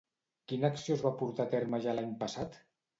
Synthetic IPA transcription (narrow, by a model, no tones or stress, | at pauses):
kinəaksiozβapuɾt̪at̪eɾməʒalaɲpəsat̪